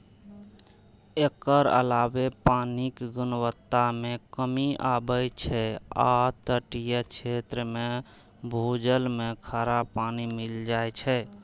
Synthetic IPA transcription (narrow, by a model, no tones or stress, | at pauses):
ekəɾə̰labepanikɡunwət̪ːamekəmiabəjt͡ʃʰɛa̰t̪əʈijət͡ʃʰet̪ɾəme | bʱud͡ʒəlmekʰaɾapanimild͡ʒaet͡ʃʰɛ